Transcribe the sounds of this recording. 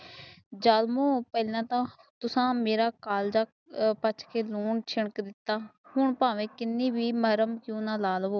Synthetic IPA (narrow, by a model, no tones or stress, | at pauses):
d͡ʒaːlmõːpəlãːt̪ãː | t̪ʊsãːmeːɾaːkaːld͡ʒaː | pət͡ʃʰkeːluːɳt͡ʃʰɪɳəkd̪ɪt̪ːaːhʊɳpãːʋẽːkɪnːiːbiːməɾəmkjũːnãːlaːloː